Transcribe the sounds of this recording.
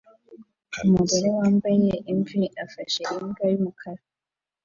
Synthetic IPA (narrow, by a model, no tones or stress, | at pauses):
umuɡoɾowaːmbajeʔiɱviʔafaʃeɾiŋɡaɾimukʰaɾa